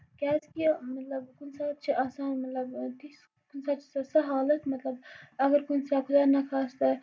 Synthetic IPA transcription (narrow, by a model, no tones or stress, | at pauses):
kʲaːskimɐt̪lɐbkunsaːt̪̚t͡ʃʰiʔaːsaːnmɐt̪lɐbt̪is | kunsaːt̪t͡ʃʰi̥sɐsɐɦaːlɐt̪mɐt̪lɐbɐɡɐɾkunsaːkʰʊd̪aːɾnɐkʰaːst̪ɐ